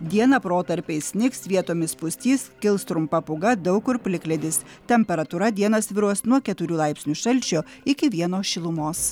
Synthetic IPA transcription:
d̪ʲiɛnɐpɾoːt̪ɐɾʲpʲɛɪsʲnʲɪksʋʲiɛt̪oːmʲɪspʊsʲt̪ʲiːskʲɪlˠst̪ɾʊmpɐpʊɡɐd̪ɐʊkʊɾpʲlʲɪklʲɛd̪ʲɪst̪ʲɛmʲpʲɛɾɐt̪uɾɐd̪ʲiɛnɐsʋʲɪɾuɔsnuɔkʲɛt̪ʊɾʲuːlˠɑɪpʲsʲnʲuʃɐlʲˑt͡ʃʲoɪkʲɪʋʲiɛnoːʃʲɪlˠʊmoːs

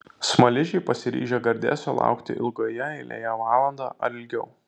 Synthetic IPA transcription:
smɐlʲɪʒʲɛɪpɐsʲɪɾʲḭːʒʲeɡɐɾʲd̪ʲæ̰ːsʲoːlˠɑ̰ˑʊkt̪ʲɪ̰ʔɪ̰lˠɡoːjɛɪlʲḛːjɛʋɑːlˠɐnd̪ɑ̰ːʔɐɾɪlʲɡʲɛʊ

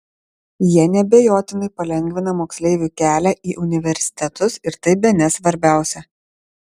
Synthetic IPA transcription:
jiɛnʲɛbʲɛjoːt̪ʲɪnɐɪpɐlʲɛŋʲɡʲʋʲɪnɐmoːksʲlʲɛɪʋʲuːˑkʲæːlʲæʔiːʔʊnʲɪʋʲɛɾʲsʲɪ̥t̪ʲɛt̪ʊsɪɾt̪ɐɪbʲɛnʲɛsʋɐɾʲbʲæˑʊsʲɛ

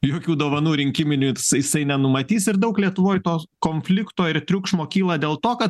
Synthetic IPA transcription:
joːkʲuːd̪oːʋɐnuːɾʲɪŋʲkʲɪmʲɪnʲuːsjɪsɐɪnʲɛnʊmɐt̪ʲiːsɪɾd̪ɐʊklʲiɛt̪ʊʋoːjt̪oːkoːnʲfʲlʲɪkt̪oːɪɾt̪ʲɾʲʊkʃmoːkʲiːlˠɐd̪ʲeːlˠt̪oːkɐt̪

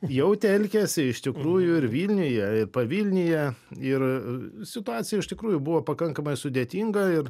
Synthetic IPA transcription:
jɛʊt̪ʲɛlʲkʲɛsʲɪɪʃt̪ʲɪkɾuːjʊɪrʋʲiːlʲnʲɪjɛɪrpɐʋʲiːlʲnʲɪjɛɪrsʲɪt̪ʊɑːt͡sʲɪjɛɪʃt̪ʲɪkɾuːjʊbuʋoːpɐkɐŋkɐmɐɪsʊd̪ʲeːt̪ʲiŋɡɐɪr

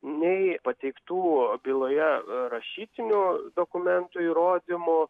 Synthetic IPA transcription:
nʲɛɪpɐt̪ʲɛɪkt̪uːbʲɪlˠoːjɛɾɐʃʲiːt̪ʲɪnʲuːd̪oːkʊmʲɛnt̪uːiːɾoːd̪ʲɪmo

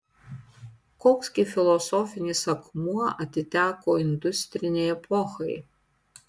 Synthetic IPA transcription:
koːksʲkʲɪfʲɪlˠɔsɔfʲɪnʲɪsɐkmuɔɐt̪ʲɪt̪ʲæːkoːɪnd̪ʊsʲt̪ʲɾʲɪnʲɛɪɛpʰɔxɐɪ

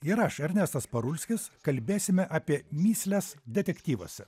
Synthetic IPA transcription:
ɪɾɐʃɛɾʲnʲɛst̪ɐspɐɾʊlʲsʲkʲɪskɐlʲbʲeːsʲɪmʲɛʔaːpʲiɛmʲiːsʲlʲɛsd̪ʲɛt̪ʲɛkʲt̪ʲiːʋo̰ːsʲɛ

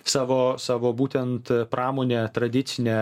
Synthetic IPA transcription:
sɑːʋoːsɑːʋoːbuːt̪ʲɛnt̪pɾɑːmoːnʲeːt̪ɾɐd̪ʲɪt̪sʲɪnʲe

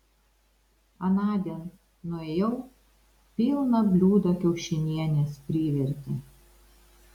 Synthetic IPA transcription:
ɐnɑːd̪ʲiːn | nʊejɛʊ | pʲilˠnɐbʲlʲuːd̪ɐkʲɛʊʃʲɪnʲiɛnʲeːspʲɾʲiːʋʲɛɾʲt̪ʲɪ

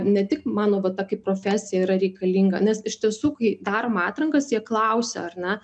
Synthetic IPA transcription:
nʲɛt̪ʲɪkmɑːnoːʋɐtɑkɐɪpɾoːfʲæːsʲɪjɛiɾɐɾʲɛɪkɐlʲiːŋɡɐ̰nʲɛsɪʃt̪ʲiɛsuːkɐɪd̪ɑːɾomɑːt̪ɾɐŋkɐsjiɛklˠɐʊsʲɛ̰ɐrnʲɛ

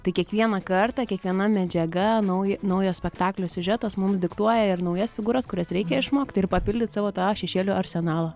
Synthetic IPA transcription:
t̪ɐɪkʲiɛkʋʲiɛnɑkɐrt̪ɑːkʲiɛkʋʲiɛnɐmʲɛd͡ʒʲɛɡɐnɐʊjnɐʊjoːsʲpʲɛkt̪ɑːklʲoːsʲʊʒʲɛt̪oːsmʊmsd̪ʲɪkt̪uɔjɛɪrnɐʊjɛsfʲɪɡuːɾɐskʊɾʲɛsɾʲɛɪkʲɛɪʃmoːkʲt̪ʲɪrpɐpʲɪlʲd̪ʲɪt̪ʲsɑːʋoːt̪ɑːʃʲɛʃʲeːlʲuːɐɾʲsʲɛnɑːlˠɑː

